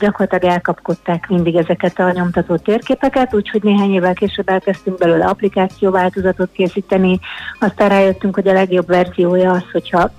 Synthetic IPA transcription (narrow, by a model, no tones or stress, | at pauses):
ɟɒko̞rlːt̪lɒɡɛlkɒpko̞t̪ːaːkmind̪iɡɛzɛkɛt̪ɒɲo̞mt̪ɒt̪oːt̪ːeːrkeːpɛkɛt̪uːcho̞ɟneːɦaːɲeːvɛlkeːʃøbːɛlkɛst̪yŋɡ̚bɛlyːlɒplikaːt̪sijoːvaːlt̪o̞zɒt̪o̞t̪̚keːsiːt̪ɛniɒst̪aːraːjø̞t̪ːyŋkho̞ɟɒlɛɡjo̞bvɛrzijoːjɒɒsho̞chɒ